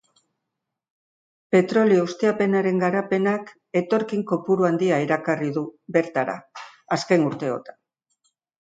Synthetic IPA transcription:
pe̞t̪ɾo̞lioust̪eape̞naɾe̞ŋɡaɾape̞nak | e̞t̪o̞ɾkiŋko̞puɾuand̪iaeɾakariðube̞ɾt̪aɾa̰ːske̞nuɾt̪e̞o̞̰t̪ḁn

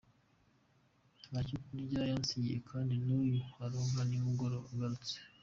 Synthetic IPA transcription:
acukuniɟajansiɲiḛkʰaːndinujuaɾoŋɡanimuɡoɾoaɡaɾut͡se̥

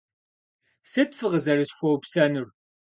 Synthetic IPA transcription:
sɨtfɨʁəzɐrɨsxʷɔwpsɐnɨr

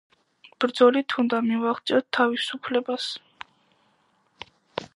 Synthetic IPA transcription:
b̥ɾd̪zɔlit̪ʰund̪amivaχt̪sʼiɔt̪ʰːavisupʰlɛbas

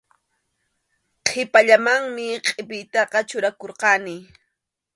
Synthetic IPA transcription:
qʰepaʎamaŋmɪqʼepɪjt̪ɑqɑt͡ʃʊɾakoɾqɑnɪ

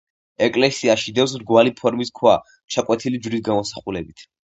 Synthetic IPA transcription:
ɛkʼlɛsiaʃid̪ɛws̬ɾɡwalipʰɔɾmiskʰwa | t͡ʃʰakʼwɛt̪ʰilid͡ʒɾisɡamɔsaχulɛbit̪ʰ

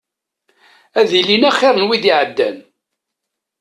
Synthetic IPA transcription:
æðilinæχːɪɾˤnwiðiʕəd̪ːæ̰n

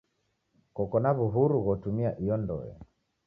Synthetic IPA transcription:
kɔkɔnaβuɦuɾuɣɔtumiaʔijɔndɔ̰ɛ̰

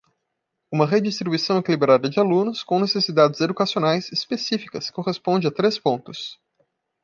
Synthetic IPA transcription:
ũmɐʁed͡ʒist̪ɾibuisɐ̃w̃ekilibɾad̪ɐd͡ʒɪalũnʊskõw̃nesesid̪ad͡ʒɪzed̪ukasionajzispesifikɐskoʁespõd͡ʒɪat̪ɾespõnt̪ʊs

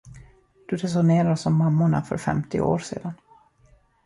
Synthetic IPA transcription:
d̪̥ɵd̪ɛsʊneːɾaɾɔsɔmːamːʊɳa̰fœ̰ɾfɛ̰mt̪ɪʔo̰ːɾsḛːd̪an

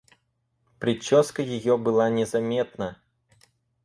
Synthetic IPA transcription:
pɾʲɪt͡ɕːɔskɐjɪjɔbɨlˠanʲɛzamʲɛt̪̚nɐ

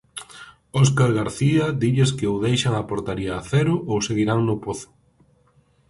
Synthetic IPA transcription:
oskaɾɣaɾθiad̪iʎeskɪoðejʃaŋapoɾt̪aɾiaːθɛɾʊʔowseɣiɾaŋnʊpoθʊ̥

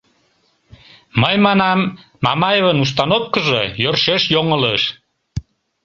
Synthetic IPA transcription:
məjmɑnɑmː | ɑ̰mɑjeβənus̬t̪ɑnopkəʒəjørʃeʃjoŋələʃ

